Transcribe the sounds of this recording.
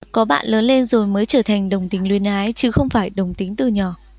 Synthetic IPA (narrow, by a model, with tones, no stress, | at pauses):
kɔ˨˦ɓa̰ː˧˨nləː˨˦nle˧nzo˨˩jməː˨˦jt͡ɕəː˧˩t̪ʰa˨˩jŋ̟ɗə˨˩wŋ͡mt̪ï˨˦ŋ̟lwi˧˩ənʔaː˨˦jt͡ɕɨ˨˦xə˧wŋ͡mfaː˧˩jɗə˨˩wŋ͡mt̪ï˨˦ŋ̟t̪ɨ˨˩ɲɔ˧˩